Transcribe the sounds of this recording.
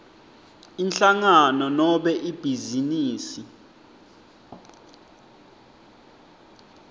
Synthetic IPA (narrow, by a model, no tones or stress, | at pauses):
inɬaŋanɔnɔɓɛʔib̥ʱiziniːsi